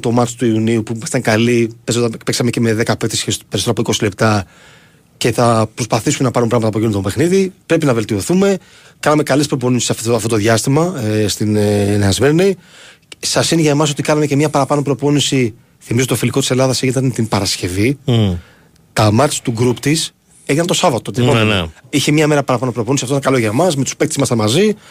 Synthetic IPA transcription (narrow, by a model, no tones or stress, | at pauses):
t̪o̞mɐɾt̪it̪uiuniupui̥t̪ɐŋkɐlipesopeksɐme̞ce̞me̞ðe̞kɐpek̚t̪esepeɾisooɐpoiko̞sile̞pt̪ɐ | ce̞θɐpɾo̞spɐθisume̞nɐpɐɾumpɾɐɣmɐt̪ɐpo̞ʝinunt̪obe̞xniðipɾe̞pinɐve̞lt̪io̞θume̞ | kɐnɐme̞kɐlespɾo̞p̬o̞nisi̥sɐft̪o̞t̪oðʝɐst̪imɐst̪inneɐzmeni | sɐsineʝɐmɐs̬o̞t̪ikɐnɐme̞ce̞mɲɐpɐɾɐpɐno̞pɾo̞po̞nisi | θimizoofilikot̪ise̞lɐðɐseɣit̪ɐnt̪impɐɾɐsce̞vi | t̪ɐmɐɾt̪st̪uɡɾupt̪is | eʝinɐnt̪o̞sɐvɐt̪ot̪iipoiçemɲɐme̞ɾɐpɐɾɐpɐno̞pɾo̞po̞nisiɐft̪oinɐkɐlo̞ʝɐmɐzmet̪u̥spek̚t̪ezmɐsɐnmɐzi